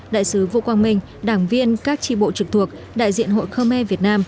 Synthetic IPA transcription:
ɗa̰ː˧˨jsɨ˨˦vṵ˧˨kwaː˧nmï˧˩ŋ̟ | ɗaː˧˩ŋvi˧ənkaː˦˥k̚t͡ɕḭ˧˩ɓo̰˧˨t͡ɕɨ˨˩k̚t̪ʰu˨˩ək̚ | ɗa̰ː˧˨jzḭ˧˨ənɦo̰˧˨jxəː˧mːɛ˧vi˨˩ət̚naː˧m

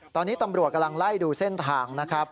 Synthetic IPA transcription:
t̪ɔː˧nːiː˦˥t̪a˧mɾu˨˩ka˧mla˧ŋla˥˩jduː˧se˥˩nt̪ʰaː˧ŋna˦˥kʰɾa˦˥p̚

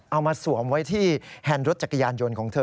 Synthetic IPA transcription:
ʔa˧wmaː˧su˨˩˦əmwa˦˥jt̪ʰiː˥˩hʰɛː˧nɾo˦˥t̪̚t͡ɕa˨˩kːa˧jaː˧njo˧nkʰɔː˩˦ŋt̪ʰɤː˧

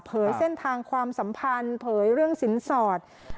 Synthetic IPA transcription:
pʰɤː˩˦jse˥˩nt̪ʰaː˧ŋkʰwaː˧msa˩˦mpʰa˧npʰɤː˩˦jɾɯ˥˩əŋsi˩˦nsɔː˨˩t̪̚

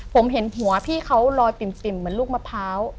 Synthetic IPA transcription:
pʰo˩˦mɦe˩˦nɦu˩˦ɐpʰiː˥˩kʰa˦˥wlɔː˧jpi˨˩mt̪i˨˩mːɯ˨˩˦ənluː˥˩k̚ma˧˥pʰaː˦˥w

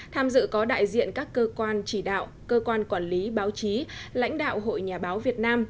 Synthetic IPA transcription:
t̪ʰaː˧mzɨ̰˧˨kɔ˨˦ɗa̰ː˧˨jzḭ˧˨ənkaː˦˥kːəː˧kwaː˧nt͡ɕi˧˩ɗa̰ː˧˨w | kəː˧kwaː˧nkwaː˧˩nli˨˦ɓaː˨˦wt͡ɕi˨˦la̰˧˥jŋ̟ɗa̰ː˧˨wɦo̰˧˨jɲaː˨˩ɓaː˨˦wvi˨˩ət̚naː˧m

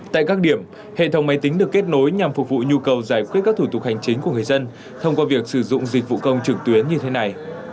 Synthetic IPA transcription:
t̪a̰ː˧˨jkaː˦˥k̚ɗi˧˩əm | hḛ˧˨t̪ʰə˨˦wŋ͡mma˨˦jt̪ï˨˦ŋ̟ɗɨ˨˩əkːe˦˥t̚no˨˦jɲa˨˩mfʊ˨˩k͡p̚vṵ˧˨ɲu˧kə˨˩wzaː˧˩jkwi˦˥kːaː˦˥k̚t̪ʰu˧˩t̪ʊ˨˩k̚ha˨˩jŋ̟t͡ɕï˨˦ŋ̟ku˧˩əŋɨ˨˩əjzə˧n | t̪ʰə˧wŋ͡mkwaː˧vi˨˩ək̚sɨ˧˩zʊ̰˧˨ŋ͡mzi˨˩k̟̚v̰kə˧wŋ͡mt͡ɕɨ˨˩k̚t̪wi˨˦ənɲɨ˧t̪ʰe˨˦na˨˩j

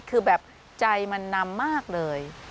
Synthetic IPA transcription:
kʰɯː˧bɛː˨˩p̚ | t͡ɕa˧jma˧nːa˧mːaː˥˩k̚lɤː˧j

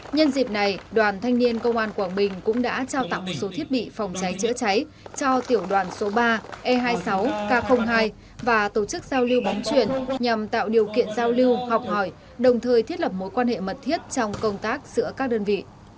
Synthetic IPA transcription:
ɲə˧nzḭ˨˩p̚na˨˩jɗwaː˨˩nt̪ʰa˧jŋ̟ni˧ənkə˧wŋ͡mʔaː˧nkwaː˧˩ŋɓï˨˩ŋ̟kʊ̰˧˥ŋ͡mɗa̰ː˧˥t͡ɕaː˧wt̪a̰˧˨ŋmo˨˩t̚so˨˦t̪ʰi˦˥ət̚ɓḭ˧˨fɔ˨˩wŋ͡mt͡ɕa˨˦jt͡ɕɨ̰˧˥ət͡ɕa˨˦j | t͡ɕɔ˧t̪i˧˩əwɗwaː˨˩nso˨˦ɓaː˧ʔɛ˧ɦaː˧jsa˨˦wkaː˧xə˧wŋ͡mɦaː˧j | vaː˨˩t̪o˧˩t͡ɕɨ˦˥k̚zaː˧wli˧wɓɔ˨˦nt͡ɕwi˨˩ənɲa˨˩mt̪a̰ː˧˨wɗi˨˩əwkḭ˧˨ənzaː˧wli˧əwhɔ˨˩wk͡p̚hɔ˧˩j | ɗə˨˩wŋ͡mt̪ʰəː˨˩jt̪ʰi˦˥ət̚lə˨˩p̚mo˨˦jkwaː˧nhḛ˧˨mə˨˩t̚t̪ʰi˦˥ət̚t͡ɕɔ˧wŋ͡mkə˧wŋ͡mt̪aː˦˥k̚z̥ɨ̰˧˥əkaː˦˥k̚ɗəː˧nvḭ˧˨

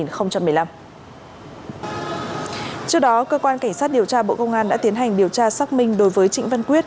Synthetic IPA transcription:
i˨˩nxə˧wŋ͡mt͡ɕa˧mː˨˩la˧m | t͡ɕɨ˦˥ək̚ɗɔ˨˦kəː˧kwaː˧nka˧˩ŋ̟sa˦˥t̚ɗi˨˩əwt͡ɕaː˧ɓo̰˧˨kə˧wŋ͡mʔaː˧nɗa̰ː˧˥t̪i˨˦ənɦa˨˩jŋ̟ɗi˨˩əwt͡ɕaː˧saː˦˥k̚mï˧ŋ̟ɗo˨˦jvəː˨˦jt͡ɕḭ˧˨ŋ̟və˧nkwi˦˥ət̚

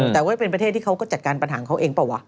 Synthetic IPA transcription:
t̪ɛː˨˩waː˥˩pe˧npɾʰeː˥˩t̪ʰːiː˥˩a˦˥wkɔː˥˩t͡ɕa˨˩t̪̚kaː˧npa˧nɦa̰ː˩˦kʰa˦˥wʔeː˧ŋpaː˧˩wa˦˥

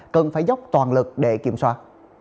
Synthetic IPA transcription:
kə˨˩nfaː˧˩jzə˦˥wk͡p̚t̪waː˨˩nlɨ˨˩k̚ɗe˧˩ki˧˩əmswaː˧˥

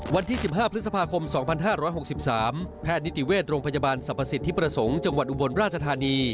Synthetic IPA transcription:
wa˧nt̪ʰiː˥˩si˨˩p̚ɦaː˥˩pʰɾ̚sa˧pʰaː˧kʰo˧msɔː˩˦ŋpʰa˧nɦaː˥˩ɾɔː˦˥jɦo˨˩k̚si˨˩p̚saː˩˦mpʰɛː˥˩t̪̚ni˦˥t̪i˨˩weː˥˩t̪̚ɾoː˧ŋpʰa˧jaː˧baː˧nsa˨˩pʰːa˧si˨˩t̪ʰːiː˥˩pɾa˧so˩˦ŋt͡ɕa˧ŋwa˨˩t̪̚ʔu˨bo˧nɾaː˥˩t̪̚t͡ɕʰa˧t̪ʰaː˧niː˧

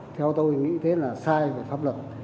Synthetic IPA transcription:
t̪ʰɛ˧wt̪o˧jŋḭ˧˥t̪ʰe˨˦laː˨˩saː˧jve˨˩faː˦˥p̚lwə˨˩t̚

